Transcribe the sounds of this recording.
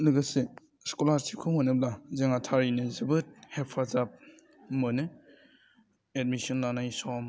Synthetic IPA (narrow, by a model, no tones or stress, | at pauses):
lɯɡase | skolaɾsikʰuhonɯb̚lazeŋatʰaɾinɯzɯbɯt̚hepʰazap̚ | mɯnɯ | ed̚misɔnlanajsɔm